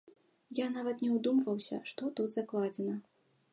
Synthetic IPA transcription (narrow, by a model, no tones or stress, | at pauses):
janavɐt̪nʲɛwd̪umvɐwsʲɐ̰ʂt̪ɔt̪ud̪zaklˠad͡zʲɛnɐ